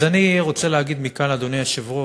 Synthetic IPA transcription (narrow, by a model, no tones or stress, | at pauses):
aniʁot͡seleaɡid̪mikanad̪oniaʃivʁo